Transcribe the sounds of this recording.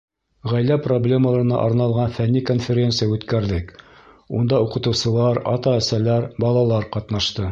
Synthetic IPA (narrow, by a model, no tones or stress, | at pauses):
ʁæjlæproblʲe̞məlˠɑɾ̆nɑ̰ʔɑɾnɑlˠʁɑnfænːikonfʲɪɾʲe̞nt̪sɨjaʉt̪kæɾðɘk | und̪ɑuqɤ̆t̪ɤ̆wsɤ̆lˠɑɾɑ̰t̪ɑæsælæɾbɑlˠɑlˠɑɾqɑt̪nɑʃt̪ɤ